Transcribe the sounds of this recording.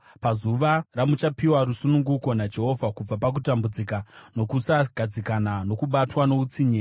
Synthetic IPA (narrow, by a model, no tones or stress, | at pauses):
pazuʋaramut͡ʃapiwaɾusunuŋɡuko̞nad͡ʒe̞ɦo̞ːvʱakub͡vapak̬utambud͡zikano̞kusaɡʱad͡zikananokuɓatwano̞ut͡siɲeː